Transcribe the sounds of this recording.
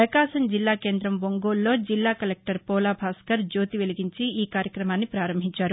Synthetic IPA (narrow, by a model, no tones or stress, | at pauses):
pɾɐkaːʃɐmd͡ʒilːaːke̞ːnd̪ɾɐmʋoŋɡoːlːo̞ːd͡ʒilːaːkɐlek̚ʈɐɾpoːlaːbʱaːskɐɾd͡ʒoːt̪iʋeliɡiɲt͡ʃiiːkaːɾjɐkɾɐmaːnːipɾaːɾɐmbʱiɲt͡ʃaːɾu